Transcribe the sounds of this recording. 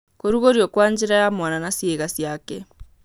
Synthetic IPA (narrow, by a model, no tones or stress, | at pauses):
koɾuɣoɾjɔkwaɲd͡ʒeɾajamwananasjeɣasjakɛ